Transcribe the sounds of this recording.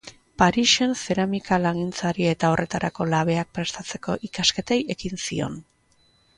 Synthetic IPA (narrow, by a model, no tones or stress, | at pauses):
paɾiʃe̞nse̞ɾamikalaɣint͡saɾiaet̪ao̞rʔe̞t̪aɾʔako̞laβ̞e̞ak̚pɾe̞st̪at͡se̞ko̞ʔikaske̞t̪e̞je̞kinsio̞̰n